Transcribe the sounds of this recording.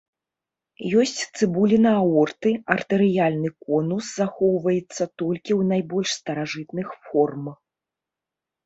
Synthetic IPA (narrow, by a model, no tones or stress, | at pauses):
jɔsʲt͡sʲt̪sɨbulʲinɐaɔrt̪ɨɐrt̪ɛɾɨjalʲnɨkɔnuszaxɔwvɐjɛt̪sːɐt̪ɔlʲkʲiwnajbɔlʲʂst̪ɐɾaʐɨt̪nɨxfɔrm